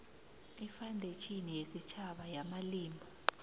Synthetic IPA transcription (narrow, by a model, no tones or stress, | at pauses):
ifandʱet͡ʃʰʼinijesit͡ʃʰaɓajamaliːmʱɔ